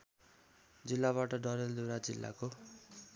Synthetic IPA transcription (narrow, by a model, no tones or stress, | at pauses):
d͡zilːaβaʈʌɖʌɾeld̪uɾad͡zilːʔa̰ko